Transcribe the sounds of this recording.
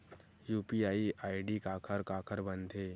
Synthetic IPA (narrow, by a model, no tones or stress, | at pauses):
juːpiaːiʔaːiɖikaːkʰəɾkaːkʰəɾbɐ̃nd̪ʱeː